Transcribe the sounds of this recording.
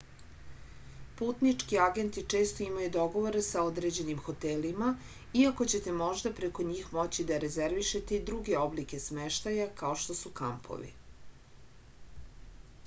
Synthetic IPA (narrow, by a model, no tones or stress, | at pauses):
puːt̪nit͡ʂkiaɡe̞nt̪it͡ʂe̞ːst̪o̞imajud̪o̞ɡo̞ʋo̞ɾesao̞d̪ɾe̞d͡ʑe̞nimxo̞t̪elima | iako̞t͡ɕe̞t̪e̞mo̞ʒd̪apɾe̞ko̞ɲiːxmo̞t͡ɕid̪aɾezeɾʋiʃe̞t̪eid̪ɾuɡe̞o̞blike̞smeʃt̪ajakaoʃt̪o̞suka̰mpʰo̞̰ʋḭ